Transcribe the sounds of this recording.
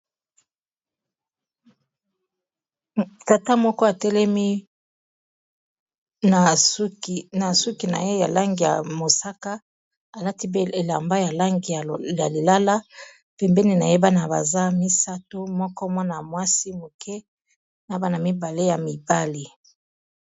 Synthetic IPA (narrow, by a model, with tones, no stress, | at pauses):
ta˨ta˦mɔ˦kɔ˦a˨tɛ˦lɛ˦mi˦ | na˨u˦kna˨su˦ki˨na̰˨je˦ja˨la˦ŋɡi˨ja̰˨mo˨sa˦ka˦ | a˨la˦ti˦be˦e˨la˨mba˦ja˨la˦ŋɡi˨ja˨ja˨li˨la˦la˦ | pɛ˨mbɛ˦ni˨na˨je˦ba˦na˨ba̰˨za˦mi˦sa˦to˦mɔ˦kɔ˦mɔ˦na˨mwa˦si˦mo˨kʰɛ˦ | na˨˦ba˦na˨mi˦ba˨le˦ja˨mi˨ba˦li˨